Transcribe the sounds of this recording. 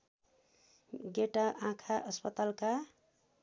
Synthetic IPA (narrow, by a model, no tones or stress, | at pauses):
ɡeʈaʔãkʰaʔʌspʌt̪alka